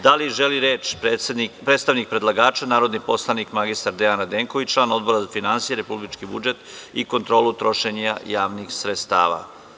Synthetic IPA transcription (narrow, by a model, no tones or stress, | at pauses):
d̪aliʒeliɾeːt͡ʃpeenipɾet̪st̪aʋnik̚pɾed̪lˠaɡaːt͡ʃanaːɾo̞d̪nipo̞slˠanikmaɡist̪aɾd̪eanad̪e̞ːŋkoʋit͡ʃlˠaːno̞d̪bo̞ɾazafinansijeɾe̞publit͡ʃkibud͡ʒe̞t̪iko̞nt̪ɾo̞ːlut̪ɾo̞ʃeɲajaːʋnixsɾet̪st̪a̰ːʋa̰